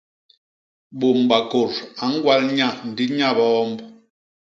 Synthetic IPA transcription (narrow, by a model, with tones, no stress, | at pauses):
ɓo˨mɓa˨ko˨ɾa˨˦ŋ˦ɡwa˦lɲa˦˨n̩˨di˦ɲa˦˨bɔː˦mb